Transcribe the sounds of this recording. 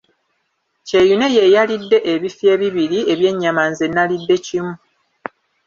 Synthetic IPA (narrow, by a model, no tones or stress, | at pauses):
ce̞june̞jejalidːe̞ʔeβifje̞ːβiβiɾie̞βje̞ɲːamanze̞nːalidːe̞cimu